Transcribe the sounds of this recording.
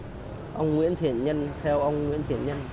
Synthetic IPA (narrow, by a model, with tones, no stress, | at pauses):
ʔə˧wŋ͡mŋwḭ˧˥ənt̪ʰi˧˩ənɲə˧nt̪ʰɛ˧wʔə˧wŋ͡mŋwḭ˧˥ənt̪ʰi˧˩ənɲə˧n